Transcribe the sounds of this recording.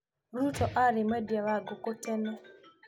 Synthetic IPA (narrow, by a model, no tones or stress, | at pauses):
ɾutɔʔaɾɪmɛdiawaɡokotɛna